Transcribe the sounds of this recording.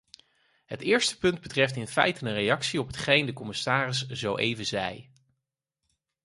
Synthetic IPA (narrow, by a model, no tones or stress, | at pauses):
ɦətɪːɹstə̥pɵnd̚bətrɛftɪnfɛ̰jtənənrejɑksiɔpɦətχejndəkɔmɪsaːrɪsz̥owʔḛjvənzɛj